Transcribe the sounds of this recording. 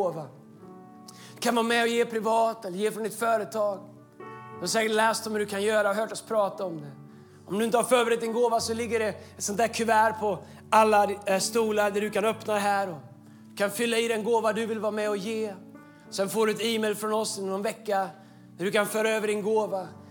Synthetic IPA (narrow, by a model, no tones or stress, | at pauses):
oːva | d̪̥ɵ̥kʰanvɑːmɛɔjeːpʰɾɪvɑːt̪ɛlːɾjeːfɾɔnd̪ɪt̪fœːɾət̪ʰɑːɡ | d̪sɛːkʈlɛːst̪ɔmhʉd̪ɵkʰanjœːɾaɔɦœːʈɔspʰɾɑːt̪aɔmd̪ɛ | ɔmd̪ɵɪnt̪əhaɾfɾøːbɾɪt̪̚d̪ɪnɡoːvasɔlɪɡːəɖɛɛt̪sɔnt̪ʰæːɾkʰɵvæːɾpʰɔ | alːast̪uːlad̪æɖɵkanœpnad̪ɛɦæːɾɔ | d̪̥ɵkʰanfʏlːaɪd̪ɛnɡoːvad̪ɵvɪlvɑːmɛɔjeː | sɛnfoːɖɵɛt̪iːmɛjlfɾɔnɔsɔnvɛkːa | d̪æɖɵkanfœːɾaøːvəɖɪnɡoːva